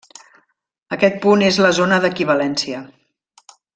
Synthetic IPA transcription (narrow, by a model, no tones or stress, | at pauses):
əkɛt̪̚punezləzonəðəkiβ̞əlɛnsiə